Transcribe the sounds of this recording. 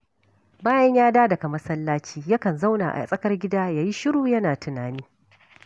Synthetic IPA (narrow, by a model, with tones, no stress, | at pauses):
baː˦jɐ˦ɲjaː˦daː˦dɐ˨kɐ˨mɐ˦sɐ˦lːaː˦t͡ʃiː˦jɐ˦kɐ˨nza˦wna̰ː˨ʔa̰˨sʼɐ˦kɐ˦rɡʲɪ˦daː˦jaː˦ji˦ʃɪ˦ɽuː˨jɐ˦naː˨tʊ˨naː˨niː˦